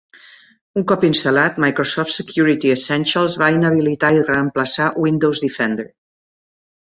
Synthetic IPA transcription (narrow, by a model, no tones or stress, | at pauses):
uŋkɔpinst̪əlat̪majkɾosɔft̪səkjuɾit̪iəsɛnʃəlˠzβainəβ̞ilit̪airəəmpləsawind̪owzd̪ifɛnd̪əɾ